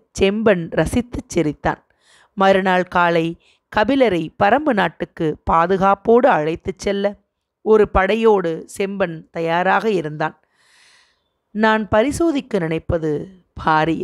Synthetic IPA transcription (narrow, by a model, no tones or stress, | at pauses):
t͡ʃɛmbɐnɾɐsɪt̪ːɯt͡ʃːɛɾɪt̪ːa̰ːn | mɐɾɯnaːɭkaːlɐɪ | kɐbɪlɐɾɐɪpɐɾɐmbɯnaːʈːɯkːɯpaːðɯɣaːpoːɽɯɐɻɐɪt̪ːɯt͡ʃːɛlːɐ | ɔɾɯpɐɽɐjoːɽɯsɛmbɐnt̪ɐjaːɾaːɣɐɪɾɯnd̪aːn | naːnpɐɾɪsoːðɪkːɯnɪnɐɪpːɐðɯ | bʱaːɾɪj